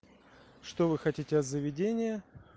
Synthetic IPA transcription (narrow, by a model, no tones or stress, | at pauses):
ʂt̪o̞vɨxɐtʲitʲɪɐt̪zəvʲɪdʲenʲɪjə